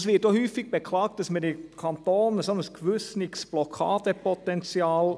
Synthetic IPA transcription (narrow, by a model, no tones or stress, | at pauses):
sʋɪːt̚doːhyːfɪɡ̥̚bəkʰlɑːkt̪əsmɛd̪ikʰɑnt̪oːnsɔnːəskʰʋʉsnɪksb̥lɔkʰɑːd̪əpʰɔt̪ɛnt͡siɑːl